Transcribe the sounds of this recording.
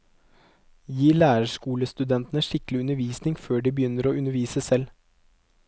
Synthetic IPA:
jiːɭæːɾəʂkuːləst̪ʉd̪ɛnt̪nəʂɪkəlɪʉnəʋiːsnɪŋføːɖiːbəjʏnːəɾoːʉnəɾʋiːsəsɛl

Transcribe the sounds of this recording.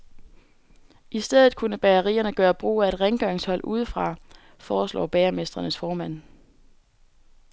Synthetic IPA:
ʔisd̥eð̞ˠð̩ˠkʰunəb̥æɐʁḭːɐnəɡ̥ɶːɐb̥ʁṵːæe̝d̥ʁeŋɡ̥ɶŋshɒ̽l̰ʔuð̞ˠfʁɑ̈ | fɒːslɒ̰ːb̥ɛːɐme̝sd̥ʁɐnəsfɒːmæn̰

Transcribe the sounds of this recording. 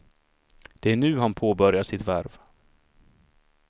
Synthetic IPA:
d̪̥ɛæɳʉ̟ːɦanpʰoːbœɾjaʂɪt̪væɾv

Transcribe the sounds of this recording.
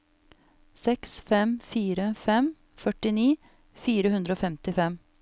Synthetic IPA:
sɛksfɛmfiːɾəfɛm | fœʈɪniː | fiːɾəhʉnd̪ɾəoːfɛmt̪ɪfɛm

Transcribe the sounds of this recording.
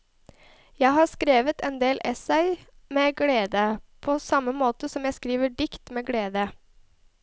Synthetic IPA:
jæɪɦɑːskɾeːʋət̪ɛnd̪eːlʔɛsæɪ | meːɡleːd̪əpʰoːsɑməmoːt̪əsɔmjæɪskɾiːʋəɖɪkt̪meːɡleːd̪ə

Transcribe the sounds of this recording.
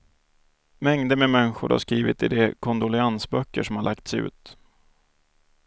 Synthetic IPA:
mɛŋd̪əmɛmɛnːɪɧʊɾha̰ʂkɾiːvɪt̪ɪd̪ɛkʰɔnd̪ʊlɛansbœkːəʂɔmhaɭʔak̚t̪sʉ̟̰ːt̪

